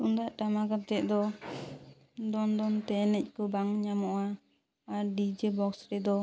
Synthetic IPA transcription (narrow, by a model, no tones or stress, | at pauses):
und̪aʔʈamaɡat̪ɛʔ̚d̪ɔ | d̪ɔnd̪ɔnt̪ɛnɛc̚kɔbaŋɲamɔʔaː | ɾɖid͡ʒɛbɔksɾɛd̪ɔ